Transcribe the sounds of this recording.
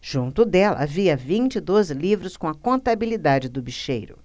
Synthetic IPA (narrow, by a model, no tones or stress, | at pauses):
ʒ̥ũnt̪ʊd̪ɛlɐ̰aviɐvĩt͡ʃɪid̪ozɪlivɾʊskõw̃ɐkõnt̪abilid̪ad͡ʒɪd̪ʊbiʃejɾʊ̰